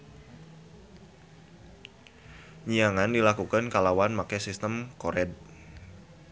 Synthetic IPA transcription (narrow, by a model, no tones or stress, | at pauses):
ɲiaŋandilakukankalawanmakɛsist̪əmkoɾɛd̚